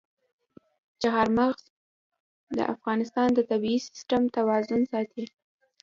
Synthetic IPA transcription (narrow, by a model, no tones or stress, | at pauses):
t͡ʃaɦaɾmaɣz | d̪ə̰ʔa̰fɣɑnɪst̪ɑnd̪ət̪abiːsɪ̥sʈamt̪awɑzʊnsɑt̪ʰi